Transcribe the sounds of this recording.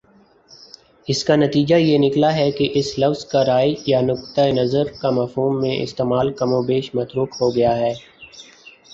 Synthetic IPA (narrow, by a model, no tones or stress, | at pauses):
ɪskanɐt̪iːd͡ʒajenɪklaɦɛkeʔɪslɐfzkaɾaːjjanʊkt̪əenɐzəɾkamɐfɦuːmːẽʔɪ̰st̪eːmaːlkɐmõbeːʃmɐt̪ɾuːkɦoɡɐjaɦɛː